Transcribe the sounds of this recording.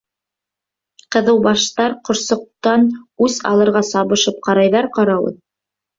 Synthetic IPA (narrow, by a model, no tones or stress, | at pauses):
qɤ̆ðɤ̆wbɑʃt̪ɑɾqŏɾsŏq̚t̪ɑnʉzɑ̰lˠɤ̆ɾʁɑsɑβɤ̆ʃɤp̚qɑɾɑjðɑɾqɑɾɑwɤ̰ð